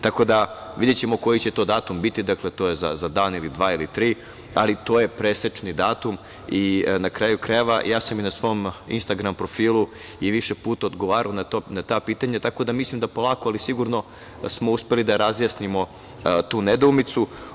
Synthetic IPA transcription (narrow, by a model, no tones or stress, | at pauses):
t̪ako̞d̪aʋid̪jet͡ɕemo̞ko̞jit͡ɕe̞t̪o̞ːd̪aːt̪umbit̪id̪akle̞t̪oːjeza̰zad̪aːnilid̪ʋaːilit̪ɾiː | a̰lit̪o̞ːje̞pɾeset͡ʃnid̪aːt̪um | inakɾaːjukɾaeʋa̰jʔaːsaminasʋo̞mḭnst̪aɡɾampɾo̞fiːlˠu | iʋiʃepuːt̪aod̪ɡo̞ʋaːɾaonat̪onat̪aːpiːt̪aɲat̪ako̞d̪amislimd̪apo̞lˠaːko̞alisiɡuɾno̞ | smouspe̞lid̪aɾazjasnimo̞ | t̪uːned̪oːmit̪su